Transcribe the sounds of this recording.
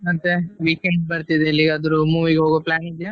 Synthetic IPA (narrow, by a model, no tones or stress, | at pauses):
ɐt̪eʋiːkeɳɖbɐɾt̪id̪eːlːikɐd̪uɾumuːʋiɡeɦoːɡoplaːnid͡ʒ̪a